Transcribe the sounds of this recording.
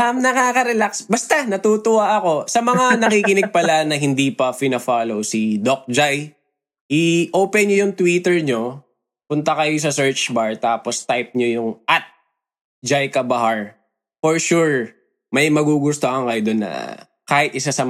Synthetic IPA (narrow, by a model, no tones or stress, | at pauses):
amnɐŋaːkɐɾɛlaksbɐst̪anɐt̪uːt̪ʊwaʔɐko̞sɐmɐŋanɐkiːkɪnɪɡ̚pɐlanɐɦɪnd̪ipɐpɪnɐfaːlowsid̪ok̚d͡ʒaj | hɪʔoːpɛnɲojʊŋt̪wiːt̪ɛɹɲo̞ | pʊnt̪ɐkɐjos̬ɐsɛɹt͡ʃbaɹt̪aːpost̪ajp̚ɲojʊŋʔat̪̚ | d͡ʒajkɐbɐhaɹ | foɹʃuɹ | mɐjmɐɡuːɡʊst̪oʔɐŋkɐjod̪onːɐ̰ | kaːhɪt̪̚ʔɪsasɐ